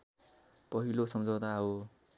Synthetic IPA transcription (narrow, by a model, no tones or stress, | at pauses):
pʌɦilosʌmd͡zʌwt̪aɦo